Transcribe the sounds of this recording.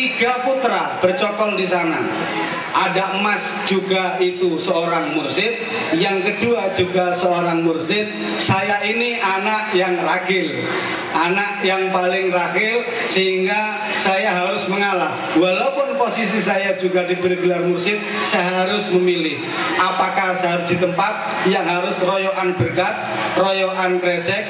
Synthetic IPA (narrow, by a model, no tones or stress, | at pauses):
t̪iɡ̥aput̪ɾab̥ərt͡ʃɔkɔldisana | ʔadaʔmas | d͡ʒuɡait̪usəoɾaŋmʊrsɪt̪̚ | jaŋkəduad͡ʒuɡasəoɾaŋmʊrsɪt̪̚ | sajainiʔanaʔjaŋraɡɪl | ʔanaʔjaŋpalɪŋrahɪl | səɦiŋɡa | sajaɦaɾʊsməŋalah | walapʊnposis̬isajḁd͡ʒuɡa̤diɡɾeɡularmursɪt̪̚saɦaɾʊsməmilɪh | ʔapakasəɦaɾʊsd̪̥i̤t̪əmpat̪̚ | jaŋɦaɾʊsrɔjɔʔanb̥ərkat̪̚ | rɔjɔʔankɾesɛk̚